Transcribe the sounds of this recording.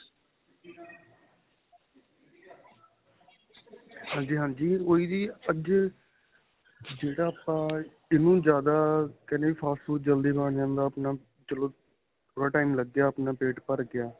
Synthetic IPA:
hãːɲd͡ʒiːɦãːɲd͡ʒiːoːiːd̪iːəd͡ʒ | d͡ʒeːɽaːəpãː | ɪnũːd͡ʒjaːd̪aːkɛnẽːiːpʰaːsʈfʰuːʈ̚d͡ʒəld̪iːbãːɳd͡ʒãːnd̪aːəpnaː | t͡ʃəloː | t̪ʰoːɽaːʈaːiːmləɡjaːəpnaːpeːʈpəɾɡɪaː

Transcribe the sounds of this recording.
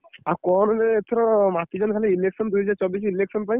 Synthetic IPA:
akɔnɔneet̪ʰɔɾɔmat̪id͡ʒɔnkʰalɛileksɔnd̪uɦɛd͡ʒaɾt͡ʃɔbis̬ileksɔnpaj

